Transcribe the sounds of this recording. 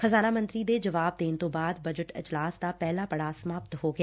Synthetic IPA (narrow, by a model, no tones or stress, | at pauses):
xəzaːnaːmə̃nt̪ɾid̪eːd͡ʒɐʋaːb̚d̪eːnt̪õːbaːd̪bɐd͡ʒəʈɪ̰d͡ʒlaːsd̪aːpɛːlaːpəɽaːsɐmaːpt̪ɦoːɡɪjaː